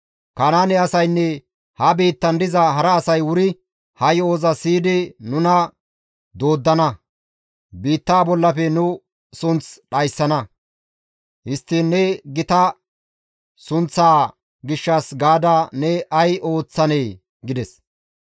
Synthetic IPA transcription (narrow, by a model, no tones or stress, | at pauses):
kɐnaːnɛɐsɐjnːɛ | hɐbiːt̪ːɐnd̪ɪzɐɦɐɾɐːsɐjwʊɾɪ | hɐjo̞ːzɐsiːd̪ɪnʊnɐ | d̪o̞ːd̪ːɐnɐ | biːt̪ːaːbɔlːɐfɛnʊ | sʊnt͡sɗɐjsːɐnɐ | hɪst̪ːɪnːɛɡɪt̪ɐ | sʊnt͡sːaː | ɡɪʃːɐsɡaːd̪anɛʔɐjo̞ːt͡sːɐneː | ɡɪd̪ɛs